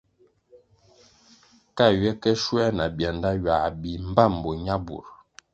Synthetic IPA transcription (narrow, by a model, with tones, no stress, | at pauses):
ka˦˨ɥɛ˦kɛ˦ʃwɛ˦na˨bja˨nda˦ɥa˨bi˨m̩˦ba˦˨m̩˨bɔ˨ɲa˦bṵ˨ɾ